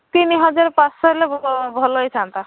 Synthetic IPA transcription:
t̪inɦəd͡ʒaɾpãssʌɾlebʱɔlojt͡ʃʰant̪a

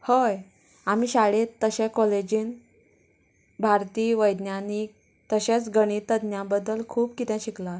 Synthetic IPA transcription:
həj | amiːɕaɭet̪ːəɕẽkɔled͡ʑiːn | bʱaɾt̪iːʋəjd̪njanik̚ | t̪əɕẽt͡sɡəɽ̃it̪əd̪njãbəd̪ːəlkʰuːbkit̪ɛ̃ɕikla

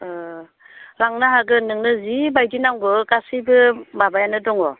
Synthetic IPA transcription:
ɾaŋnaɦaɡɯnɯŋnɯzibajdinawɡɯkasibɯbabajanɯdɔŋɔ

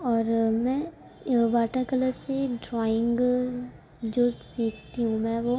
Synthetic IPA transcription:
ɔːɾmɛ̃ː | ʋaːʈakələɾseɖɾɔːɪ̃ŋɡ | d͡ʒoːsiːkʰt̪iɦũmɛ̃ʋo

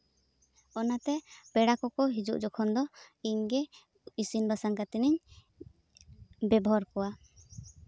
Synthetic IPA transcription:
ɔnat̪ɛbɛɽakɔkɔɦid͡ʒṵʔd͡ʒɔkʰɔnd̪ɔiɲɡɛ | isinbasaŋkat̪iniɲ | bɛbɔɦɔɾkɔwa

